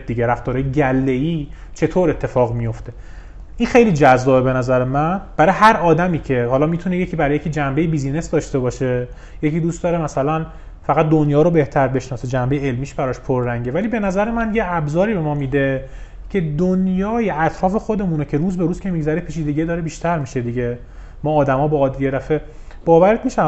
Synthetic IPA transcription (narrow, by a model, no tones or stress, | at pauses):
d̪iɟeɾæft̪ɒːɾɒːjeɟælːeiː | t͡ʃʰe̞t̪ʰoːɾet̪ʰːe̞fɒːɣmijo̞ft̪e̞ | ʔinxejliːd͡ʒæzːɒːbebe̞næzæɾemænb̥æɾɒjɦæɾɒːd̪æmiːcʰe̞hɒːlɒːmiːt̪ʰunejecʰiːbæɾɒːjecʰid͡ʒæmbe̞jebiːzine̞sd̪ɒːʃt̪e̞bɒːʃe̞ | jeciːd̪uːst̪d̪ɒːɾemæsælæn | fæɣæt̪̚d̪onjɒːɾobeht̪ʰæɾbe̞ʃnɒːsed͡ʒæmbe̞jeelmiːʃbæɾɒːʃpʰoɾːæŋɟe̞væliːbe̞næzæɾemænjeæbzɒːɾiːbe̞mɒːmiːd̪e̞ | cʰe̞d̪onjɒːjeæt̪ʰɾɒːfe̞xo̞d̪e̞munocʰe̞ɾuːzbe̞ɾuːz̥kcʰe̞miɡzæɾepʰiːt͡ʃʰiːd̪e̞ɡied̪ɒːɾebiːʃt̪ʰæɾmiːʃed̪iɟe | mɒːd̪æmɒːbɒd̪jed̪æfeb̥ɒːvæɾet̪miʃæ